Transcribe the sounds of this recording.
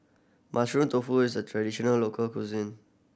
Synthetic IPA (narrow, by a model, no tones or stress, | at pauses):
mʔaʃɹũnt̪ofuisdətʰɹadiʃɔnəllokʰəlkuzĩn